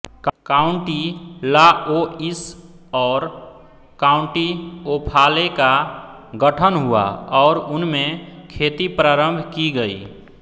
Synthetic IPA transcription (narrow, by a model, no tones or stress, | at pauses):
kkaːʊɳʈilaois | ɔːɾ | kaːʊ̃ɳʈiopʰalekaɡəʈʰənɦua̰ɔːɾʊnmẽkʰeːt̪ipɾaːɾə̃mbʱkiɡəḭ